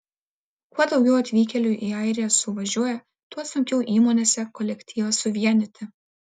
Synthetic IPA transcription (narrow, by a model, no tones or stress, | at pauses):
kuɔd̪ɒʊɡʲɛʊɐt̪ʲʋʲiːkʲɛlʲʊʔiːɐˑɪɾʲɪjɛsʊʋɐʒʲuɔjɛ | t̪uɔsʊŋʲkʲɛʊʔiːmoːnʲeːsʲɛkɔlʲɛkʲt̪ʲʰiːʋɐsʊʋʲiɛnʲɪt̪ʲɪ